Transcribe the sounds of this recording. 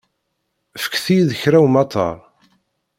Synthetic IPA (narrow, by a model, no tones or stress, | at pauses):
fə̥kːθijðəçɾæwmɑt̪ʰˤɑ̰ɾˤ